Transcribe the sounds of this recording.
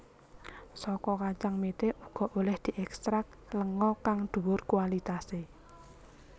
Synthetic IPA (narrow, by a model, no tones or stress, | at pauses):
sɔkɔkat͡ʃaŋmet̪eʔuɡ̥ɔ̤ʔolɛhd̪̥i̤ʔɛkst̪ɾak̚ləŋɔkaŋd̪̥ṳwʊrkualit̪ase